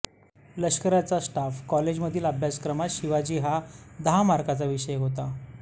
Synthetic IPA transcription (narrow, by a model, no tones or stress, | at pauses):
ləskəɾjat͡sasʈafkɔled͡ʑməd̪ʱiːləbʱjaskɾəmat̪ɕiʋad͡ʑiːɦad̪əɦamaɾkat͡saʋiɕəjɦot̪a